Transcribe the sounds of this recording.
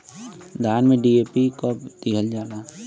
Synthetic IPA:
d̪ʱaːnmẽɖieːpikəpt̪iɦəld͡ʒaːnaː

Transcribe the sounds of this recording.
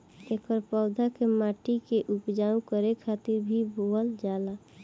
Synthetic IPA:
ekəɾpɔʊd̪ʱakemaːʈikeʔupd͡ʒaːũkəɾekʰaːt̪ɪɾbʱiboəld͡ʒaːla

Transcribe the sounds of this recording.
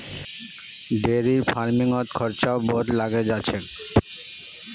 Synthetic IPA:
ɖeɾiɾfaɾmiŋɔt̪kʰɔɾt͡ɕaobod̪laɡed͡ʑaːɕʰe

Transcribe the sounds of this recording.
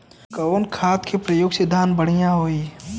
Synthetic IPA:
kɐːnkʰaːt̪kʰepɾəjoːɡsɪd̪ʱːaːnbəɽ̤ijãɦoːiː

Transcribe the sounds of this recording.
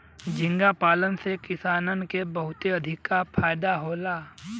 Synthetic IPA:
d͡ʒɪ̃ŋɡapaːlənsekɪsaːnənkebəɦʊt̪eɐd̪ʱɪkːapʰaːjd̪aɦoːlaː

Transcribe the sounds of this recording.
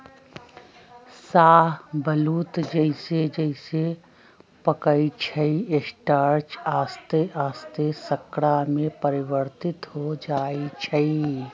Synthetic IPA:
saːɦbəluːt̪d͡ʒəɪsed͡ʒəɪse | pəkəit͡ʃʰəiesʈaːɾt͡ʃaːst̪eʔaːst̪esəkɽamẽpəɾɪwəɾt̪ɪt̪ɦod͡ʒaːit͡ʃʰəi

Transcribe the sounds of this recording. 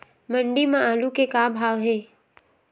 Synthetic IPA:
mə̃ɳɖimãaːlukekabʱaːʋɦeː

